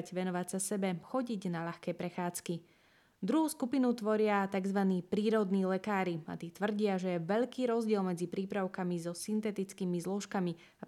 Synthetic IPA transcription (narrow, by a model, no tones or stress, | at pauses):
ɟʋɛnɔʋacsasɛbɛxɔɟiɟnaʎaxkɛjpɾɛxaːt͡ski | d̪ɾuɦuːskupinut̪ʋɔɾɪat̪aɡzʋaniːpɾiːɾɔd̪niːlɛkaːɾia̰t̪iːt̪ʋr̩ɟɪaʒɛjɛʋɛʎkiːɾɔzɟɪɛlˠmɛd͡zipɾiːpɾaʊkamizɔsint̪ɛt̪it͡skiːmizlɔʃkami | a